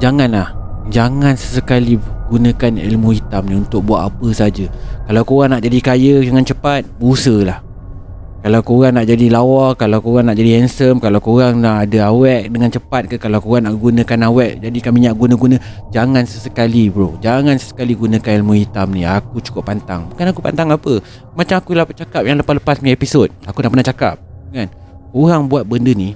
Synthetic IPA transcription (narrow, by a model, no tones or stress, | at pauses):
d͡ʒaŋanlah | d͡ʒaŋansəsəkaliɡunə̃kanḛlmuhit̪amnĩunt̪ʊk̚buat̪apəsaad͡ʒəkalawkoɣaŋnaʔd͡ʒadikajədəŋant͡ʃəpat̪̚bəusəlah | kalawkoɣaŋnaʔd͡ʒadilawarkalawkoɣaŋnaʔd͡ʒadihɛnsəmkalawkoɣaŋnaʔadəawɛʔ̚dəŋant͡ʃəpat̪̚kəkalawkoɣaŋnaʔɡunə̃kanawɛʔ̚d͡ʒadikamiɲaʔɡunə̃ɡunə̃ | d͡ʒaŋansəsəkalibɾod͡ʒaŋansə̥sə̥kaliɡunə̃kanlmuhit̪amniakut͡ʃu̥kʊʔpːant̪a̰ŋbukanakupa̰nt̪aŋapə | mat͡ʃamakulaht͡ʃakap̚jaŋləpahləpasməaepisod̚akunaʔpənaht͡ʃaka̰p̚kan | koɣaŋbuat̪̚bəndəni